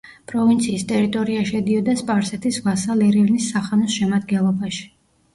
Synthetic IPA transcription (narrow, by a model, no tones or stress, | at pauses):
pʼɾɔvint̪sʰiːst̪ʼɛɾit̪ʼɔɾiaʃɛd̪iɔd̪aspʼaɾsɛt̪ʰisvasalɛɾivnisːaχanɔsʃɛmad̪ɡɛnlˠɔbaʃi̥